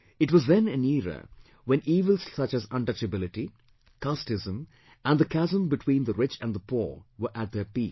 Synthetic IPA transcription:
ɪʈwɔzðɛ̃nɨ̃niːɾə̰ | wɛ̃niːʋəlssʌt͡ʃæzʌ̃nʈʌt͡ʃəbɪlɪʈi | kastɪzə̃m | ʔæ̃nd̪əkʰæzə̃mbɪʈʰwĩːnd̪əɾɪt͡ʃæ̃nd̪əpʰɔ̰ːɹʋəɾʔæʈ̚d̪ɛpiː

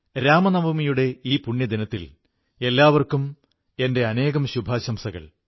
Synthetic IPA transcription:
ɾaːmɐnɐbʱumijuɽe̞iːpuɳːjɐd̪inɐt̪ːil | e̞lːaːʋɐrkum | e̞nde̞ɐne̞ːɣɐmɕubʱaːɕɐmsɐɣɐ̰ɭ

